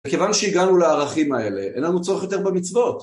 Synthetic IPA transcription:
eke̞vanʃeiɡanuleaːʁaχimae̞le̞ʔenlanut͡so̞ʁeχjo̞t̪e̞ʁbemit͡svo̞t

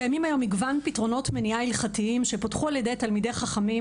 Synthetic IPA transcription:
ejamimajo̞miɡvanpitʁo̞no̞tmeniailχatiimʃepotχualjede̞jtalmide̞jχaχami

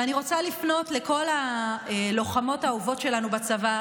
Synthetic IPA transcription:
aniʁo̞t͡salifno̞tle̞ko̞la | lo̞χamo̞tauvo̞tʃe̞lanubat͡sava

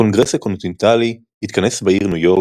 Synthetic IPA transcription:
o̞nɡʁesako̞nt̪int̪ali | hit̪kane̞sbaiʁnujo̞

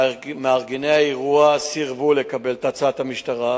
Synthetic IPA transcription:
meaʁɡinejaieʁuasiʁvulekabe̞lt̪at͡sat̪hamiʃtaʁa

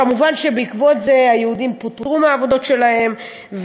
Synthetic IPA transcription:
amuvanʃe̞beikvo̞tze̞ajeud̪imput̪ʁʁumeaːvo̞d̪o̞tʃe̞lahe̞m | v

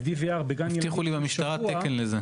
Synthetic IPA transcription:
d̪iveaʁbeɡanj̪iχulibemiʃt̪aʁatekenleze

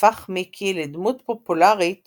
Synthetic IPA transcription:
aχmikʰiled̪mut̪populaʁit

